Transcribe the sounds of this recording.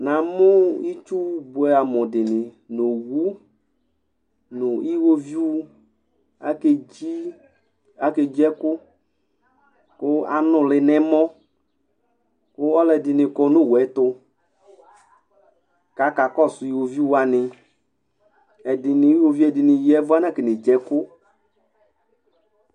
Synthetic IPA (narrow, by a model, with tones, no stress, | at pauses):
na˨mʊ˦i˦t͡ʃu˦bʊ˨ɛ˨a˨mɔ˨dɪ˨nɪ˨ | no˨wu˦ | nʊ˨i˦wo˦vi˦ | a˦ke˦d͡ʒi˦ | a˨ke˨d͡ʒɛ˦kʊ˦ | kʊ˦a˨nʊ˨lɪ˨nɛ˦mɔ˦ | kʊ˦ɔ˦lɛ˨dɪ˨nɪ˨kɔ˧no˦˨wɛ˨˦t̪ʊ˧ | ka˨˦ka˨kɔ˦˨sʊ˨i˦wo˨vi˦wu˦a˨nɪ˨ | ɛ˨dɪ˨nɪ˨˦i˦wo˦vi˦ɛ˨dɪ˨nɪ˨jɛ˦vʊ˦a˦n˦a˦˨kɛ˨ne˨d͡ʒɛ˨kʊ˦